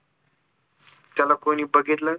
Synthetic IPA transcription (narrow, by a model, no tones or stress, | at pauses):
t̪jalakoɽ̃iːbəɡʱit̪lə